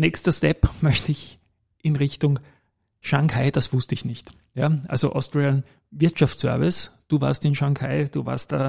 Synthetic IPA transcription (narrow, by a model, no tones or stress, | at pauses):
nɛːkstɐstɛpmœçtəɪç | ʔɪnʁɪçtʊŋ | ʃaŋkʰaɪd̥asv̥ʊstəɪçnɪçt | jaːʔa̰lzoʔɔ̰stʁeən | vɪɐtʃaftt͡ssœ̰ɐvɪsd̥uːva̰ːɐstɪnʃaŋkʰaɪd̥uːva̰ːɐst̚d̥aː